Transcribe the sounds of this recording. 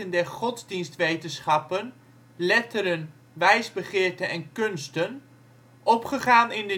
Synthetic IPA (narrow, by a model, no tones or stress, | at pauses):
əndɛɹχɔtzdinstʋejtənsχɑpən | lɛtəɾən | ʋɛjzbəχɪːɹtənɛnkɵnstən | ʔɔpχəχaːnɪndə